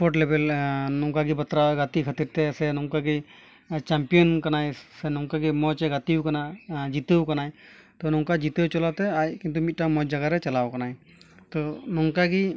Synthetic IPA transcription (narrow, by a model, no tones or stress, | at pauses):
pʰɔʈlebɛlnɔŋkaɡibat̪ɾaɛɡat̪ikʰat̪iɾt̪ɛsɛnɔŋkaɡi | t͡ʃampijɔnkanajsɛnɔŋkaɡimɔt͡ʃɛɡat̪iwkanad͡ʒit̪əwkanajt̪ɔnɔŋkad͡ʒit̪əwt͡ʃɔlat̪ɛajkint̪umit̪̚ʈamɔjd͡ʒaɡaɾɛt͡ʃalawkanaj | t̪ɔnɔŋkaɡi